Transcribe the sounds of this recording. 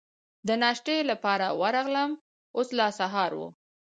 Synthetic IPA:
d̪ənɑʃʈelapɑɾawəɾɑɣləm | oslɑsaɦɑɾwṵ

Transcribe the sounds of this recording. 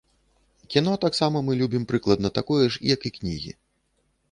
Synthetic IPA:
kʲinɔt̪aksamɐmɨlʲubʲimpɾɨklˠɐd̪nɐt̪akɔjɛʂḭjɐkiknʲḭɣʲḭ

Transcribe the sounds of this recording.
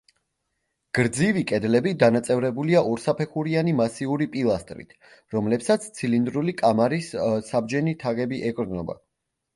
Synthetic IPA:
ɡ̥ɾd̪zivikʼɛd̪lɛbid̪anat̪sʼɛvɾɛbuliaʔɔɾsapʰɛχuɾianimasiuɾipʼilˠast̪ʼɾḭt̪ʰ | ɾɔmlɛpsat̪sʰt̪sʰilind̪ɾulikʼamaɾissab̚d͡ʒɛnit̪ʰaɡɛbiʔɛkʼɾd̪nɔba̰

